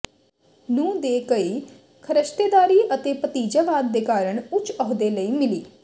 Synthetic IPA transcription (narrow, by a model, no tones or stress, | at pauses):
nũːd̪eːkəiː | kʰəɾəʃt̪eːd̪aːɾiːʔət̪eːpət̪iːd͡ʒaːʋaːd̪ːeːkaːɾəɳʊt͡ʃɔːɦd̪eːləiːmɪliː